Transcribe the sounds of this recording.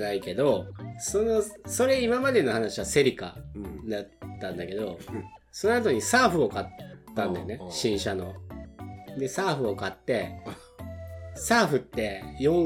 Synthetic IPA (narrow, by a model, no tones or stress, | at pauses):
naike̞d̪o̞so̞no̞so̞ɾe̞imamad̪e̞no̞hanaɕiβase̞ɾʲika̰d̪at̪ːãnd̪ake̞d̪o̞̰ | so̞noat̪o̞ɲ̟isaːɸɯ̟o̞kat̪ːãnd̪eneɕĩɰ̃ɕano̞̰ | d̪e̞saːɸɯ̟o̞kat̪ːe̞ | saːɸɯ̟t̪ːe̞jõ̞